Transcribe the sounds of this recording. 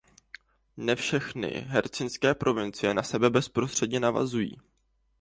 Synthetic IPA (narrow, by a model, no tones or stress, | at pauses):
nɛfʃɛxnɪ̰ɦɛɾt͡sɪnskɛːpɾʔo̞vɪnt͡sɪjɛnasɛbɛbɛspɾo̞st̪r̝̥ɛdɲɛnava̰zujḭː